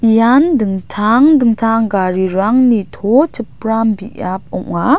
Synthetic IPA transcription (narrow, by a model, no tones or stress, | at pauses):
jandɯŋtʰaŋdɯŋtʰaŋɡaɾiɾaŋnitʰot͡ʃəp̚rambiʔap̚ɔ̰ʔa